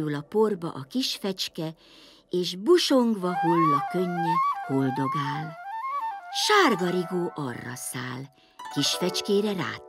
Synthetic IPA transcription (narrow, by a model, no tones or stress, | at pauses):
ylɒpo̞rbɒ̰ʔɒkiʃfɛt͡ʃkɛ | eːʒbuʃo̞ŋɡʋɒholːɒkøɲːɛho̞ld̪o̞ɡaːl | ʃaːrɡɒɾiɡoːʔɒrːɒ̰sa̰ːl | kiʃfɛt͡ʃkeːɾɛɾa̰ː